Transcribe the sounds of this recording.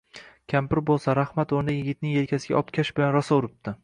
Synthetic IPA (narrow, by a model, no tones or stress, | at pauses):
kʲʰampɪɾbolˠsaɾahmat̪oɾd̪ajɪɡʲɪt̪̚nɪŋelkʲʰasɪɡʲa̰ɒpkʲʰaʃbɪlanɾɒsɒʊɾɪp̚d̪ɪ